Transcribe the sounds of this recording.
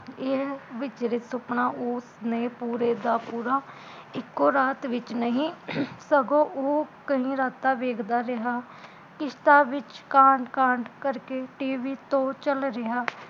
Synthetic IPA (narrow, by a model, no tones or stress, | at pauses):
eʋɪt͡ʃɾɪsʊpɳaːʔʊsnẽːpuːɾeːd̪aːpuːɾaː | ɪkːoːɾaːt̪ʋɪt͡ʃnəɦĩːsəɡõːʔoːkəɦĩːɾaːt̪aːʋeːkʰd̪aːɾɪɦaː | kɪʃt̪aːʋɪt͡ʃkãːɳɖkãːɳɖkəɾkeːʈiːʋiːt̪õːt͡ʃəlɾɪɦaː